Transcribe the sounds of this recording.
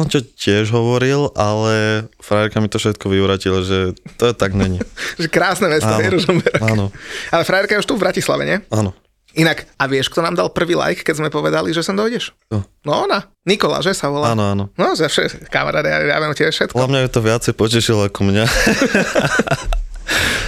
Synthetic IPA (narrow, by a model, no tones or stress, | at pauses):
ɔncɔcɪɛʒɦɔʋɔɾilʔalɛfɾajɾkamit̪ɔfʃɛt̪kɔʋiʊɾacilaʒɛt̪ɔt̪aɡɲɛɲiʒɛkɾaːsnɛmɛst̪ɔɛɾuʒɔmɛɾaanɔalɛfɾajɛɾkajɛuʃt̪uvbɾacisla̰ʋɛ̰ɲɛanɔ | inakaʋɪɛʃk̚t̪ɔnaːmd̪alˠpr̩ʋiːla̰jkːɛzmɛpɔʋɛd̪aliʒɛsɛnd̪ɔjɟɛʃnɔnɔɔna | nikɔla̰ʒɛsaʋɔlaaːnɔaːnɔnɔzafʃɛkama̰ɾa̰ːd̪aja̰ja̰ʋɛmcɛbɛfʃɛt̪klɔamɲaɛt̪ɔʋɪat͡sɛjpɔcɛʃilakɔmɲa